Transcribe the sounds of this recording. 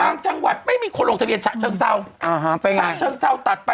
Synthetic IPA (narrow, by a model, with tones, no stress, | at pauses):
aː˧ŋt͡ɕa˧ŋwa˨˩t̪̚ma˥˩jmiː˧kʰoː˧nlo˨˩ŋt̪ʰi˧ənt͡ɕaː˨˩t͡ɕʰɤː˧ŋsa˧˩wʔaː˨˩ɦa˦pa˧jaa˩˧t͡ɕʰɤː˧ŋsa˧˥˩wt̪a˨˩t̪̚pa˧